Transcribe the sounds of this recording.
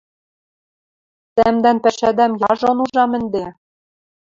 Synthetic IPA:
t̪æmd̪ænpæʃæd̪æmjɑʒonuʒɑmɘ̆nd̪e

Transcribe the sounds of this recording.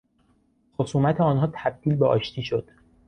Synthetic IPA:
xo̞suːmæt̪ʰeɒːnɦɒːt̪ʰæb̚d̪̥iːlbeʔɒ̰ːʃt̪ʰiːʃo̞d̪̥

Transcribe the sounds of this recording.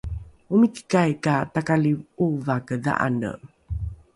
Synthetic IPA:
umiki̥kajkatakalivuvakəða̰ʔa̰nə̰

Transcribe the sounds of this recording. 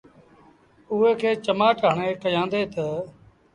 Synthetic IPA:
ʊɦeːkʰeːt͡ʃəmaːʈɦəɳ̃eːkəjãːnd̪eːt̪ə

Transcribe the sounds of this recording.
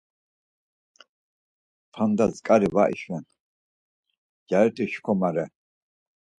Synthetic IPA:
pʰand̪azkʼaɾivaʔḭʃwɛn | jaɛt̪ʼiʃkʰɔmaɾɛ

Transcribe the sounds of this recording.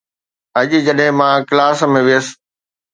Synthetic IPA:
ɐʄid͡ʑɐɗɦɪ̃mãːklaːsmẽʋɪjəs̆

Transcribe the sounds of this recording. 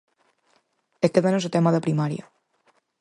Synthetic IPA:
ekeðanozot̪emaðəpɾimaɾija

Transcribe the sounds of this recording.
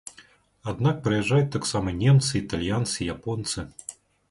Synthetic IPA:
ad̪nak̚pɾɐjɛʐːajut̚ʲt̪aksamɐnʲemt̪sɨit̪alʲjant̪sɨijapɔnt̪sɨ

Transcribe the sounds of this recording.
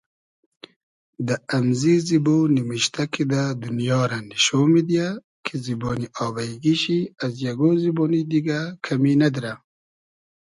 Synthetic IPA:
d̪aʔamzizibonimiʃt̪akʰid̪ad̪unjɑːɾaniʃomid̪ija | kʰiziboːniʔɑːbaɡiʃiazjaɡoːziboːnid̪iɡakʰaminad̪iɾa

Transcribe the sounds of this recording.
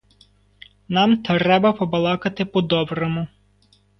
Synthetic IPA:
nɑmt̪ɔɾɛbɐpɔbɐlˠɑkɐt̪ɪpɔd̪ɔbɾɔmʊ

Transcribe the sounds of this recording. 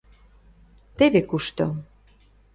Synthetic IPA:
t̪eβekuʃt̪o

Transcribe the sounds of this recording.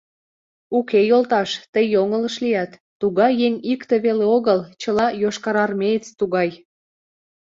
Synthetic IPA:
ukejolt̪ɑʃt̪əjːoŋələʃlijæt̪ːuɣɑjeŋʲikt̪eβeleoɣəlt͡ɕəlɑjoʃkɑɾɑrmeət͡st̪uɣɑj

